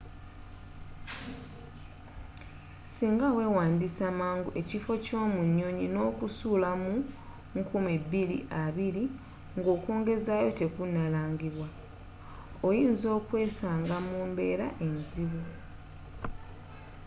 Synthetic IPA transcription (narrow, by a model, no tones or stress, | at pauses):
siːŋɡawe̞ːwaːndisamaːŋɡuʔe̞cifo̞co̞ːmuɲːo̞ɲino̞ːkusuːlamu | ŋkumibːilḭʔaβiɾi | ŋɡo̞ːkuːŋɡe̞zaːjo̞te̞kunalaːŋɡiβwa | ojiːnzo̞ːkwe̞ːsaːŋɡamuːmbe̞ːɾa̰ʔe̞nziβu